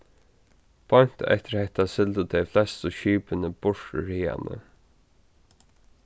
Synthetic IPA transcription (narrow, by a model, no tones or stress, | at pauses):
b̥ɔm̥t̪ɛ̰ht̪ɪɾhɛht̪asɪlt̪ət̪ʰɛjflɛst̪əʃiːpənəb̥ʊɹ̥ɹiːa̰nə̰